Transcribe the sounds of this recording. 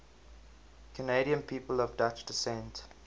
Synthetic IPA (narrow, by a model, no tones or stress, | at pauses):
kʰəneɪɾiə̃npʰiːpəlɔvdat͡ʃdɪsɛ̃nt